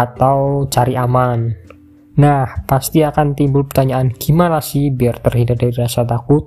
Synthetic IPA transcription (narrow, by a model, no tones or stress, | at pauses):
at̪awt͡ʃaɾiʔaman | nahpast̪iakant̪imbʊlpərt̪aɲaʔanɡ̥imalasibiart̪ərɦindadaɾiiɾasat̪akʊt̪̚